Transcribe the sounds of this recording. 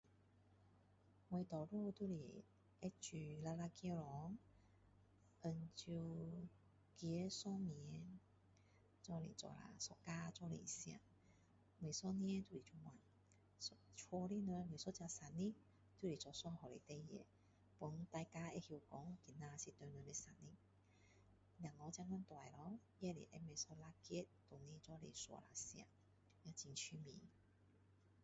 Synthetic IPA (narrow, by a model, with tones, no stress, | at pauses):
we˧t̪ɔ˨ɾu˥˧t̪u˥˧˨lḭ˨˩ | e˦t͡ɕy˨˩la˧la˧kjɛ˧lɔ˨˦ŋ | ə˧nt͡ɕu˧ | kjsɔ˦mi˨˧˦ | t͡sɔ˧lḭ˨˩t͡sɔ̰˨˩la̰˨sɔ˧ka˧t͡sɔ˧lḭ˨˩sja̰˧˩ | mwe˨˩sɔ˥˦n˦ɛ˧˦t̪wu˥˧˩li˨˩t͡ʃʰu˧mwa˨˩n | t͡sʰwɔ˧li˦˧nwe˧m˧e˨˩sɔ˦t͡ɕja˧sa˨˩nːi˦ | t̪u˦li˨˩t͡sɔ˨˩swa˧˩ŋhɔ˨le˨t̪e˧jḛ˨ | pu˨˧˦ŋt̪a˧jka˧e˧hji˧wkɔ˨˧˦ŋki˨˩na˧si˧t̪ø˧nɛ˧le˧sa˨nni˦˥ | lja˨˩ŋlɔ˨˧˦t͡ɕjã˧ŋna˧˦nt̪wa˨˩jlɔ˧˦ | jɛ˧lḭ˨ʔe˧me˨˧˩sɔ˧la˧kɛ˦t̚t̪ɔ˨˩nĩ˧˦t͡sɔ˧lḛ˨swɔ̰˨˩la˨sja̰˨˩ | ja˧˩t͡ɕi˧nt͡ɕʰy˧mḭ̃˧˨